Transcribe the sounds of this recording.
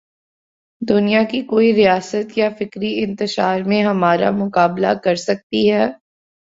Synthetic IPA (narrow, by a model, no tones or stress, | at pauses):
d̪ʊnijakikoːiɾijaːsət̪jafɪkɾiɪ̃nt̪ɪʃaːɾmẽɦɐmaːɾa̰mʊkaːbla̰kɐɾsɐk̚t̪iɦɛː